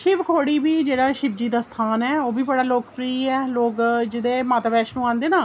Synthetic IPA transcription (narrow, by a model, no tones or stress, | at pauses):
ʃɪʋkʰoːɽiːbiːd͡ʒeːɽaːʃɪb̚d͡ʒiːd̪aːst̪ʰaːnɛːoːbiːbəɽaːloːkpɾiːɛːloːkd͡ʒɪd̪eːmaːt̪abɛːʃnũːãːnd̪eːnaː